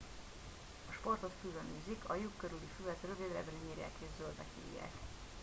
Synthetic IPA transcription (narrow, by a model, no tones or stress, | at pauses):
ɒʃpo̞rt̪o̞t̪fylønyːzikʰɒjukːøɾylifylɛt̪røvid̪rɛ̰bɛliɲiːrja̰ːkeːzzøld̪ɛkḛːjḛːt̪